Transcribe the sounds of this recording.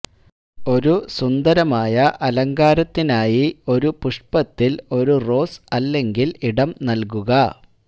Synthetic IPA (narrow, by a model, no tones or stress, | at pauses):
o̞ɾusund̪ɐɾɐmaːjɐʔɐlɐŋɡaːɾɐt̪ːinaːjio̞ɾupuʂpɐt̪ːilo̞ɾuro̞ːsɐlːe̞ŋɡiliɽɐmnɐlkuɣɐ